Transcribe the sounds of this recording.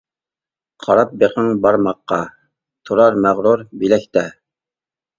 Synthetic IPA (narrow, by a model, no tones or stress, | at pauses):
qʰɑɾɑp̚beqʰəŋbɑɾmɑqːɑ | t̪ʰuɾɑɾmæʁɾuɾbilɛkʲt̪ɛ